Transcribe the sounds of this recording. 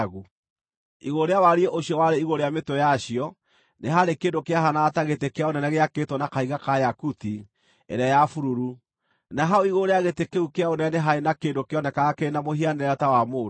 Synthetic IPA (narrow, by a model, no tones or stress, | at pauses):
ɣu | iɣoɾeawaɾieʔoɕiɔwaɾeiɣoɾeametojaɕijɔ | neɦaɾekeːndokeaɦanataɣetekeaonɛnɛɣeaketonakaiɣakajakuti | ḛɾɛjafuɾuɾu | naɦaoiɣoɾeaɣetekeukeaonɛneɦaɾenakeːndokeɔnɛkaɣakeɾenamohianeɾɛɾɔtawamo